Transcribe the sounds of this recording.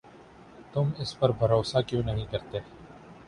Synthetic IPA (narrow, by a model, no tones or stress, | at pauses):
t̪ʊmɪspəɾbʱɐɾoːsakjõːnɐɦĩkɐɾt̪eː